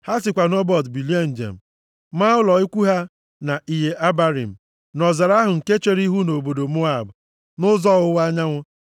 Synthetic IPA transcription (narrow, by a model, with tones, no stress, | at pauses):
ha˦sɪ˨kʷa˨nɔ˦bɔ˦˨tbi˨li˦a˦n̩˨d͡ʒḛ˨m̩˨ | ma˦ʊ˦lɔ˨i˦kʷu˦ɦa˦ | na˨ʔi˨ɦe˨ʔa˦ba˦ɾḭ˨m̩˨ | nɔ˨za˨ɾa˦ɦʊ˨ŋ̩˨ke˦t͡ʃe˦ɾi˦ɦu˦no˨bo˨do˨mʊ˦a˨bʊ˨ | nʊ˦zɔ˦ʊ˦wa˦ɲa˦ŋʷʊ˦